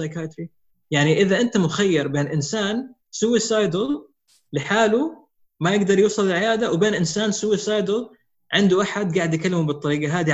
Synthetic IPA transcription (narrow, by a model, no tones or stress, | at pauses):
ajkajt̪ɾi | jaʕniʔɪðaʔɪnt̪amʊxajːɪɾbeːnʔɪnsaːn | suːɪsɑjd̪ɨl | lɪħaːlu | majɪɡd̪ɑɾˤjuːsˤɨlɪlʕɪjaːd̪awbeːnʔɪnsaːnsuːɪsɑjd̪ɨl | ʕɪnd̪uʔaħad̪ɡaːʕɪd̪jkalːɪmubɨt̪ˤːɑɾiːɡaɦaːd̪i